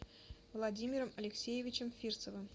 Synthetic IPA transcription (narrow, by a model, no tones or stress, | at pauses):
vlˠɐdʲimʲɪɾəmɐlʲɪksʲejɪvʲɪt͡ɕɪmfʲirt̪səvɨm